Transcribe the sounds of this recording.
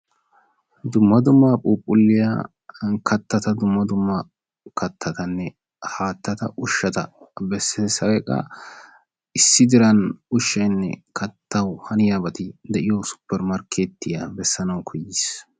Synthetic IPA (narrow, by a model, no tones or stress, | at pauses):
d̪ʊmːɐd̪ʊmːaːpʼuːpʼːʊlːɪja̰ | kʰɐt̪ːɐt̪ɐd̪ʊmːɐd̪ʊmːɐ | kʰɐt̪ʰːɐt̪ɐnːɛ | haːt̪ːɐt̪ɐʔʊʃːɐt̪ɐbɛsːɛsɐwɛkʼːɐ̰ | ɪsːɪd̪ɪɾɐnʊʃːɐjnːɛ̰kʰɐt̪ːɐwhɐnɪjaːbɐt̪ɪd̪ɛʔɪjosʊ̥pːɛɾmɐɾkʰeːt̪ːɪjabɛsːɐnɐwkʰɔjːɪs